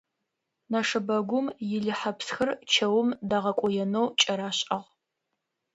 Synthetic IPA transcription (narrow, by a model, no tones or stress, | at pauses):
naʂɨbɐɡʷʊmjɪɮɨħɐpsxɐrt͡ʃʰɐwmdaːʁɐkʷʼʊjɛnowt͡ʃʼɐɾaːɕʼɐʁ